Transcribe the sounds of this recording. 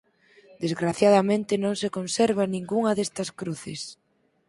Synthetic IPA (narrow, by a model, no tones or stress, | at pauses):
d̪̥ezɣɾaθjaðamẽnt̪ɪnõŋsekonsɛɾβ̞anĩŋɡuŋɐðest̪ɐskɾuθɪs